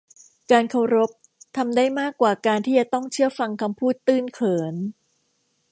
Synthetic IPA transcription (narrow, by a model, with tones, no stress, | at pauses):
kaː˧nkʰa˧wɾo˦˥p̚ | t̪ʰa˧mdaː˥˩jmaː˥˩kːwaː˨˩kaː˧nt̪ʰiː˥˩t͡ɕa˨˩t̪ɔ˥˩ŋt͡ɕʰɯ˥˩ɐfa˧ŋkʰa˧mpʰuː˥˩t̪ːɯː˥˩nkʰɤː˩˦n